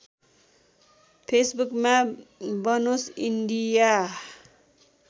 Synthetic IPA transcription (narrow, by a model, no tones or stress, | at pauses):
pʰesbukmabʌnosinɖija